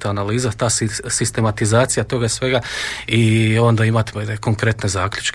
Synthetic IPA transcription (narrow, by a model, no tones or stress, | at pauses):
t̪analiːzat̪aːssist̪e̞mat̪izaːt̪sijat̪o̞ɡaisʋe̞ɡaio̞nd̪aimat̪ko̞ŋkɾe̞t̪ne̞zaːklʲut͡ʃk